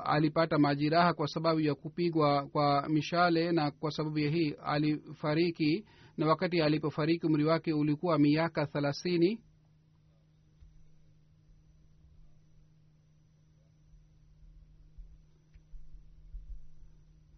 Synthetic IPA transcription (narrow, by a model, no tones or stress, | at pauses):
a̰lipatamaʄiɾahakwasaɓaɓujakupiɠwakwamiʃalɛnakwasaɓaɓujaɦia̰lifaɾiki | nawakatialipɔfaɾikium̩ɾiwakɛulikuwamiakaθɛlaθini